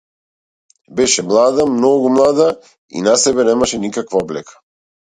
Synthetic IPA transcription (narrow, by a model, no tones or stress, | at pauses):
bɛʃɛmlˠad̪amnɔɡumlˠad̪a | ḭnasɛbɛnɛmaʃɛnikakvaɔblɛkʰḁ